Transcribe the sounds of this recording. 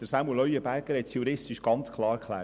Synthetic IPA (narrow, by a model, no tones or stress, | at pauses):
d̥əɾsɑmuəlœjəbæɾɡ̥əɾhɛt̪sjuɾɪst̪ɪʃɡ̥ɑnt͡skʰlˠɑːɾkʰχlæ̰ː